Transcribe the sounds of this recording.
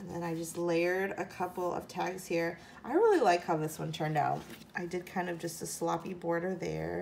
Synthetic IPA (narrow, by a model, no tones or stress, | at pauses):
nðɨ̰̃ñaɪd͡ʒʌstˡleɪəɹɾɨkʰʌpl̩ˠʌ̰v̥tʰæɡz̥hiɹ | ʔaɪɹɪlˠilaɪkhaʊðɪswʌ̃ntʰɜ̃˞nda̰ʊt̚ | ʔaɪdɨd̚kʰãɪ̃ndʌvd͡ʒʌstəslɑpibɔɹɾə˞ðə̰˞